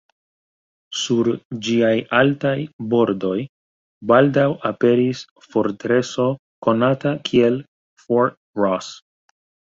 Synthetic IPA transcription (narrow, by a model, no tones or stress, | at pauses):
suɾd͡ʒiajaltajbo̞ɾdo̞j | baldawape̞ɾis | fo̞ɾtɾe̞so̞ | ko̞natakʰie̞l | foɾt̚ | ɹɔs